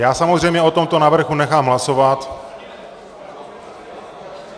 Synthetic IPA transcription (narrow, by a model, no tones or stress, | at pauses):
jaːsamo̞zrɛjmɲɛʔo̞t̪o̞mt̪o̞navr̩ɣunɛxaːmɦlaso̞vat̪